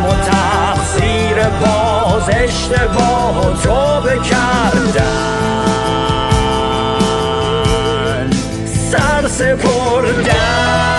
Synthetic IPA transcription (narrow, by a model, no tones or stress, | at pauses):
mɔt̪ʰa | xsi | ɾebɒ | zeʃt̪ʰebɔːɦt̪ʰobekʰaɾd̪a | n | sæɾsepʰoɾd̪a